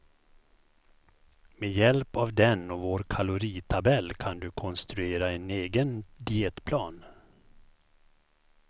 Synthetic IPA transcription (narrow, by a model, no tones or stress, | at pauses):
mejɛlpavd̪ɛnɔvoːɾkʰalʊɾiːt̪ʰabɛlːkʰand̪ɵkʰɔnst̪ɾɵeːɾaɛneːɡənd̪ɪeːt̪pʰlɑːn